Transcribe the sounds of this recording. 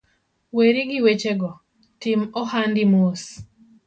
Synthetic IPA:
weɾiɡɪwet͡ʃeɡɔ | tɪmɔhandɪmos

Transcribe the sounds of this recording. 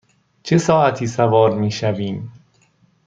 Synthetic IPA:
t͡ʃʰe̞sɒːʔæt̪ʰiːsævɒːɾmiːʃæviːm

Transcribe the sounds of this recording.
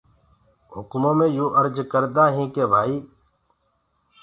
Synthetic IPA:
ɦʊkmõːmẽːjuːʔəɾd͡ʒkəɾd̪aːɦĩːkeːbʱaːiː

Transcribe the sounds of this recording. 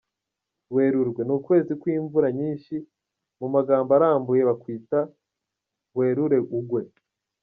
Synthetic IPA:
we̞ːɾuɾɡwe̞nukwe̞ːzikwiːɱvuɾaɲiːnʃi | mumaɡaːmbaɾaːmbuje̞βakwiːta | we̞ːɾuɾe̞ʔuɡwe̞

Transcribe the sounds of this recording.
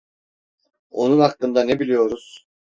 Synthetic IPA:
o̞nunɦaklˠɯnd̪ane̞bilʲijo̞ɾuz̥

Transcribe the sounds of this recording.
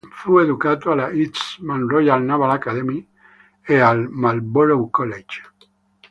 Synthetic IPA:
fueðukat̪oalait̪smãnrojalnaβalakaðemi | ealmalboɾowkolet͡ʃ

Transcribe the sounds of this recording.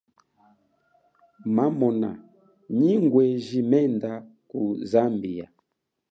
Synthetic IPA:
mamɔna̰ | ɲiŋɡwɛʒimɛndakuzambija

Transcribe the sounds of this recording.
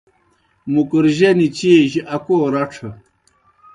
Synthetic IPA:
mukuɾʑenit͡ɕiːʑiɐkoːɾɐʈ͡ʂʰɐ

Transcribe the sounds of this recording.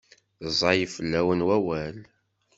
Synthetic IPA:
zˤɑjəfəlːæwənwæwæl

